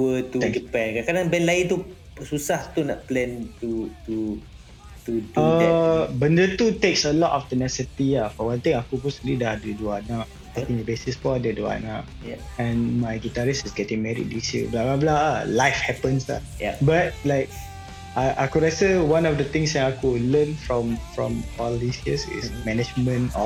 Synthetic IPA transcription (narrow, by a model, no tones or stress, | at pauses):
tuət̪uɡipɛ̃nkakadãŋbɛnlait̪u | susaht̪unɔʔ̚plɛ̃nt̪ut̪u | t̪udəɛbəndət̪ut̪eksəlɔtaft̪ənɛssit̪iafɔwãnt̪ĩŋakup̬ɔsiblidahdəduanãʔ̚ | tɛkĩŋdəbesɪsfɔadədua̰nãʔ | ɛ̃nmajɡitaɹisɪsɡɛtɪ̃ŋmɛɹḭt̚disjə̰blabablaəlaɪfhɛpə̃nsla̰jbat̚laɪk̚ | aʔakuɹasəwãnɔfdət̪ɪ̃ŋsdɛ̃nakulə̃nfɹɔ̃mfɹɔ̰̃mɔldisjəsɪ̰smɛnɛd͡ʒmə̃nɔf